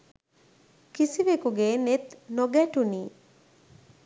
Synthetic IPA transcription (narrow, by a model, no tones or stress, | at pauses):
kisiʋekuɡeːnet̪noɡæʈuniː